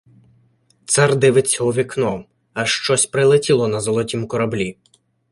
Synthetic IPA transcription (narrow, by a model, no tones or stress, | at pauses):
t̪sard̪ɪʋɪt͡sʲɦɔʋʲiknɔ | ɐʃt͡ʃɔsʲpɾɪlˠɪtʲilˠɔnɐzɔlˠɔtʲimukɔɾɐblʲi